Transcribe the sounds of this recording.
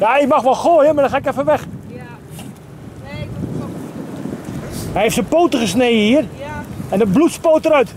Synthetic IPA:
jaɪkmaxʋɔlˠxoːjəmadɔxaːɪkɛfəʋɛx | hɛjheftsəpoːtəɣəsneːjəhiərɛndəblutspoːtəɾœɥt

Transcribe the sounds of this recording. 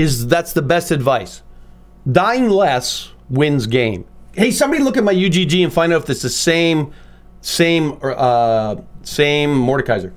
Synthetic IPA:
ɪzðætsðəbɛstɨdvaɪs | daɪɪ̃ŋlæs | wɪ̃nzɡẽɪ̃mheɪsʌ̃mbɑɾilʊkɨt̚maɪjʉd͡ʒid͡ʒiɨ̃nfãɪ̃ndʌʊfðɨtsðɨsẽɪ̃m | sẽɪ̃mʌ | sẽɪ̃mːɔɹɾɨkʰaɪzə˞

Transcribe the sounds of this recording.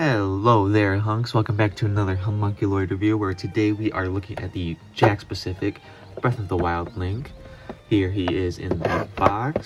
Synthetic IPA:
hɛloʊðə˞ɦʌ̃ŋkswɛlˠkə̃mbæk̚tʰɨɨnʌðə˞ɦə̃mʌ̃ŋkilɔɪɾɨvjʉwə˞tʰɨdeɪwiʔə˞lʊkɪ̃ŋɨ̰t̪̚ðɨ̥ | d͡ʒækspɨsɪfɪk | b̥ɹɛθʌvðəwaɪlˠdˡlɪ̃ŋk | hiɹiɪzɪ̰̃nðɨb̥ɑks

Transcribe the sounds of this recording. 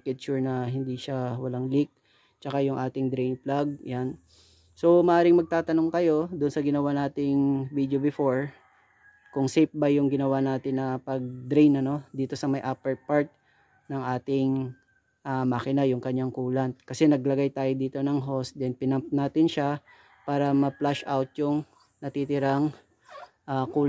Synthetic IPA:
kɛd̪̚t͡ʃʊɹnɐɦɪnd̪iʃawɐlaŋlɪk̚ | t͡ʃɐkajʊŋʔaːt̪ɪŋd̪ɾejnplaɡ̚jan | so̞mɐʔaːɾɪŋmɐɡ̚t̪aːt̪ɐno̞ŋkɐjo̞d̪ʊnsɐɡɪnɐwanaːt̪ɪŋvid̪jobɪfo̞ɹ | kʊŋsejp̚bɐjːʊŋɡɪnɐwanaːt̪ɪnːɐpɐɡ̚d̪ɾejnɐno̞d̪iːt̪o̞sɐmɐjʔapɛɹpaɹt̪̚ | nɐŋʔaːt̪ɪŋ | ʔamɐkɪnajʊŋkɐɲːaŋkuːlɐnkɐsɛnɐɡlɐɡajt̪aːjod̪iːt̪o̞nɐŋɦo̞sd̪ɛnpɪnɐmp̚naːt̪ɪnʃa | paːɾɐmɐplaʃʔawt̪̚jʊŋ | nɐt̪it̪ɪɾaŋ | ʔakuːl

